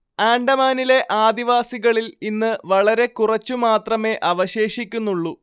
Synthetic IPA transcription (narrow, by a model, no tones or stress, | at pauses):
aːɳɖɐmaːnile̞ʔaːd̪iʋaːsiɣɐɭilinːɨʋɐɭɐɾe̞kurɐt͡ɕːumaːt̪rɐme̞ʔɐʋɐɕe̞ːʂikʲːunːuɭːu